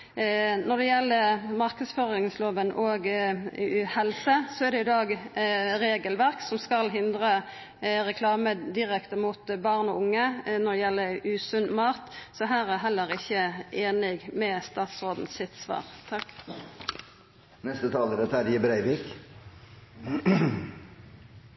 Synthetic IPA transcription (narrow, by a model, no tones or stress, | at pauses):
nɔʁd̪ɛjɛlːəmɑʁkəsføʁɪŋsloːʋənʔɔɡ | hɛlsəsɔæʁd̪ɛɪd̪ɑːɡɾeːɡəlʋæʁksɔmskɑlɦɪnd̪ʁə | ɾɛkʰlɑːməd̪ɪɾɛkt̪əmʊt̪bɑːʁnɔʊŋːənɔʁd̪ɛjɛlːəʉːsʉnmɑːt̪sɔɦæːɾæɦɛlːəɾɪçːəʔeːnɪɡmɛst̪ɑːt̪sʁoːd̪n̩sɪt̪sʋɑ̰ːʁt̪ʰɑkː | nɛst̪ət̪ʰɑːləɾɛt̪æɾjəbɾæɪʋiːk